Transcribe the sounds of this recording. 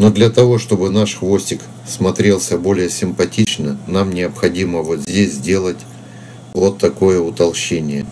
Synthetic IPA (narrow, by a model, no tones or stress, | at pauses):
no̞d̪lʲɐt̪ɐvo̞ʂt̪o̞bɨnaʂxvo̞sʲtʲɪk | smɐt̪ɾʲe̞lˠsʲəbo̞lʲɪjəsʲɪmpɐtʲit͡ɕnənamnʲɪəpxɐdʲiməvot̪zʲdʲesʲzdʲe̞lˠətʲ | vot̪ːɐko̞jəʊt̪ɐlˠɕenʲɪjə